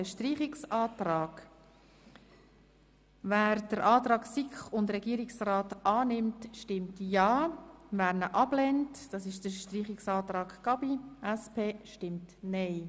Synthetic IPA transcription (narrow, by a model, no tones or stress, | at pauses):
əʃtriːχɪksɑːtrɑːɡ̥ | væːɾd̥əɾʔɑːtɾɑːksikχʊndɾɛɡ̥iəɾɪksraːtɑːnɪmtʃtɪmtjɑːvæːɾnəʔɑb̥lɛntd̥ɑːsɪʃd̥əʃtriːχɪksɑːtɾɑːkkɑbiʔæspʰeːʃtɪmtnɛɪ